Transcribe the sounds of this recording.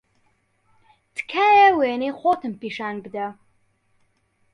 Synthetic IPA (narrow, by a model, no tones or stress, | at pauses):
t̪ʰkʰaːjaweːniχʷot̪ʰɨmpiːʃaːnbd̪a